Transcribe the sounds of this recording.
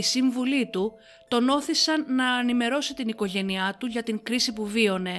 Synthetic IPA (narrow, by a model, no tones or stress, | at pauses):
isiɱvulit̪u | t̪o̞no̞θisɐnːɐːnime̞ɾo̞sit̪iniko̞ʝe̞niɐt̪uʝɐt̪iŋkɾisipuvio̞ne̞